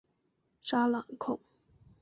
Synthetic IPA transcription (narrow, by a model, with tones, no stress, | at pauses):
ʂa˥la˨˩ŋkʰʊ˥˩ŋ